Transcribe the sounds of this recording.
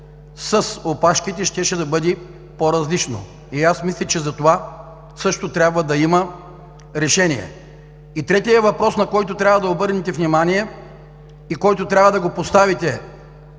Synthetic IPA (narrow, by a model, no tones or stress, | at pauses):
sɐsopaʃkit̪ɛʃt̪ɛʃɛd̪ɐbɤd̪i | poɾɐzlit͡ʃno̰ | iasmislʲɛt͡ʃɛzɐt̪ova | sɤʃt̪ot̪ɾʲabvəd̪ɐimɐ | ɾɛʃɛnʲijɛ̰ | it̪ɾɛt̪iɛvɐpɾɔsnɐkɔjt̪ot̪ɾʲabvɐd̪ɐobɤɾnɛt̪ɛvnimanijɛ | ikɔjt̪ot̪ɾʲabvɐd̪ɐɡopost̪avit̪ɛ